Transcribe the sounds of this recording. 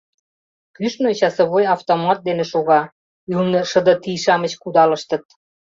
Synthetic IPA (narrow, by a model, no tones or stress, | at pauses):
kyʃnot͡ɕɑsə̆βojɑft̪omɑt̪̚d̪eneʃoɣɑ | ylnɤ̆ʃə̆d̪ɤ̆t̪iʃɑmə̆t͡ɕkud̪ɑlə̆ʃt̪ə̆t̪̚